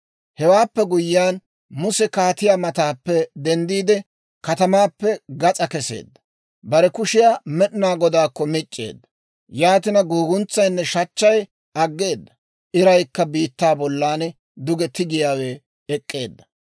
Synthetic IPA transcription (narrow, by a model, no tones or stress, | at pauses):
hɛwaːpːɛɡʊjːaːn | mʊsɛkaːt̪ɪjaːmɐt̪aːpːɛd̪ɛnd̪iːd̪ɛ | kɐt̪ɐmaːpːɛɡɐt͡sʼɐkɛse̞̰ːd̪ːɐ̥ | bɐɾɛkʊʃɪjaːmɛɗɪnaːɡɔd̪aːkːɔmɪt͡ʃʼːe̞̰ːd̪ːɐ̥ | jaːt̪ɪnɐɡoːɡʊnt͡sːɐjnːɛʃɐt͡ʃːɐj | ʔɐɡːeːd̪ːɐ | ʔɪɾɐjkːɐbiːt̪ːaːbɔlːaːnɛ | d̪ʊɡɛt̪ɪɡɪjaːweː | kʼːe̞̰ːd̪ːɐ̥